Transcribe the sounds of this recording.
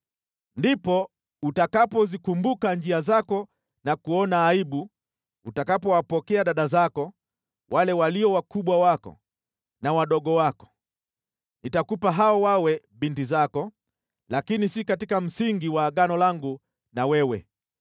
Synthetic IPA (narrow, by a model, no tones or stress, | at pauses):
ndipɔ | utakapɔzikumbukand͡ʒiazakɔ | nakuɔnaːiɓu | utakapɔwapɔkɛaɗaɗazakɔ | wʔalɛwaliɔwakuɓwawakɔ̰ | nawaɗɔɠɔwakɔ̥ | nitakupaɦaɔwawɛ | ɓintizakɔ | lakinisikatikam̩siŋɡiwaːɠanɔlaŋɡu | nawɛwɛ